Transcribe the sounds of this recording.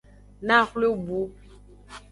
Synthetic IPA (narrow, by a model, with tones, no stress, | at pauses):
na˦˨xlo˦bu˦